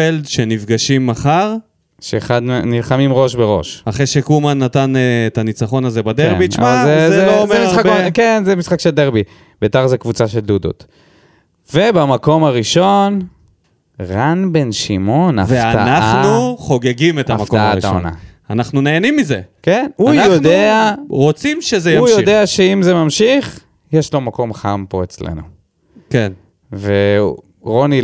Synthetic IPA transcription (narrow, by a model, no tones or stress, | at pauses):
eldʃe̞nifɡaʃimːaχaʁ | ʃeːχad̪nilχamimʁo̞ʃbeʁo̞ʃaχejʃekumanatanːtanit͡saχo̞nazebad̪eʁbiʃmaazezeloomeiasabkenzemisχakʃeld̪eʁbi | betaʁzekvut͡saʃe̞ld̪ud̪o̰t̪ | vebamako̞maʁiʃo̞n | ʁanbe̞nʃimo̞na̰vefaanaχanuχo̞ɡeɡimet̪aamakkaaitʃo̰na̰anaχnuneːnimːizekenujnod̪eaʁot͡simʃezejaujod̪e̞aʃeimzemamʃiχ | jeʃlo̞mako̞mχampo̞et͡slḛnṵ | ken | ve | ʁo̞ni